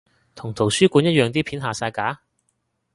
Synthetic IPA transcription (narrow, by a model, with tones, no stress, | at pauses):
t̪ʰʊ˨˩ŋt̪ʰo˨˩wsyː˥kʷuː˨˧njɐ˥t̚jœː˨˧ŋt̪̬iː˥pʰiː˨˥nɦaː˨saː˧jkaː˨˥